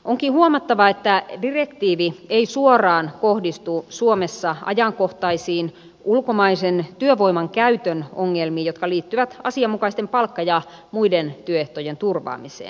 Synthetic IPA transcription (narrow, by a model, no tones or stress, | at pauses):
ʔoŋkihuomɑt̪ːɑʋɑet̪ːædirekt̪iːʋieisuorɑːnkohdist̪usuomesːɑɑ̰jɑŋkoht̪ɑisiːn | ʔulkomɑisent̪yøʋoimɑŋkæyt̪ønoŋːelmiːjot̪kɑliːt̪ːyʋæt̪ɑsiɑmukɑist̪empɑlkːɑjɑ | muident̪yøeht̪ojent̪urʋɑ̰ːmisḛːn